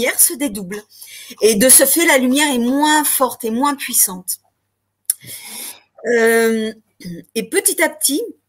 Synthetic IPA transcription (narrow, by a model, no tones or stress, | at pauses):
ɛʁsəd̪ed̪ubl | ed̪əsəfɛlalymjɛʁɛmwɛ̃fɔʁt̪emwɛ̃pɥisɑ̃t̪ | ø | epət̪it̪ap̚t̪i